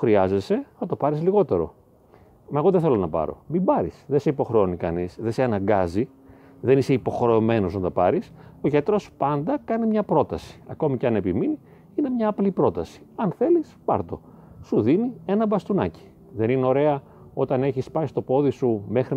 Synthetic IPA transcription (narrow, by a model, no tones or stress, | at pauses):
xɾiɐze̞se̞θɐt̪o̞pɐɾizliɣo̞t̪e̞ɾo̞̰ | mɐeɣo̞ðeθe̞lo̞nɐpɐ̰ɾo̞̰mimbɐɾisðese̞ipo̞xɾeo̞nikɐnisðe̞seɐnɐŋɡɐzi | ðe̞nise̞ipoxɾe̞ome̞no̞znɐnt̪ɐpɐɾisoʝet̪ɾospɐnd̪ɐkɐnimɲɐpɾo̞t̪ɐsi̥ɐ̰ko̞miceɐne̞pimini | ine̞mɲɐːplipɾo̞t̪ɐsi̥ɐnθe̞lispɐ̰ɾt̪o̞̰ | suðinienɐbɐst̪unɐci̥ | ðe̞nineo̞ɾe̞ɐ | o̞t̪ɐne̞çispɐist̪opo̞ðisumexɾi